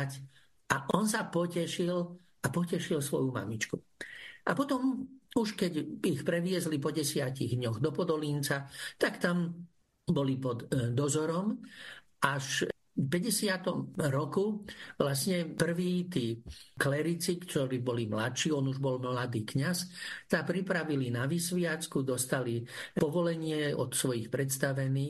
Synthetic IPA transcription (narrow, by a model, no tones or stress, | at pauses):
c | ʔaʔɔns̬apɔcɛʃil | apɔcɛʃilsʋɔ̰juma̰mit͡ʃkuʔapɔt̪ɔmuʃkɛɟixpɾɛʋɪɛzlipɔɟɛsɪaciɣd̪ɲɔɣd̪ɔpɔd̪ɔlint͡sat̪akt̪am | bɔlipɔd̪ːɔzɔɾɔm | ʔaʃ | pɛɟɛsɪat̪ɔmɾɔkuʋlasɲɛpr̩ʋiːt̪iːklɛɾit͡sikt̪ɔɾiːbɔlimlatʃiːɔnuʒbɔlmlad̪iːkɲast̪apɾipɾaʋilinaʋisʋɪat͡skud̪ɔst̪alipɔʋɔlɛɲɪɛɔ̰t̪sʋɔjixpɾɛt̪st̪aʋɛniː